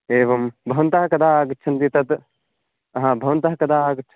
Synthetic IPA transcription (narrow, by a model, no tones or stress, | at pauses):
eːʋɐmbʱɐʋɐnt̪aːkɐd̪aːɡɐt͡ʃʰɐnt̪it̪ɐt̪ | ɦãːbʱɐʋɐnt̪aɦɐkɐd̪aːɡɐtːt͡ʃʰ